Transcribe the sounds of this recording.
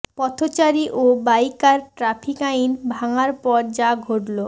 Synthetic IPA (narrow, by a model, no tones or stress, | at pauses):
pɔt̪ʰot͡ɕaɾiʔobajkaɾʈɾapʰikainbʱaŋaɾpɔɾd͡ʑaɡʱoʈlo